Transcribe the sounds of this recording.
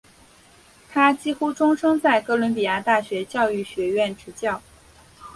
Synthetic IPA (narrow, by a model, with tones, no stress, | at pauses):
t̪ʰa˥t͡ɕi˥xu˥ʈ͡ʂʊ˥ŋʂɤ˥ŋt͡sa˥˩ɪkɤ˧˥lwə˧˥npi˨˩ja˥t̪a˥˩ɕɥɛ˧˥t͡ɕjɑ˥˧ʊy˥˩ɕɥɛ˧˥ɥɛ˥˩nʈ͡ʂʰɻ̩˧˥t͡ɕjɑ˥˩ʊ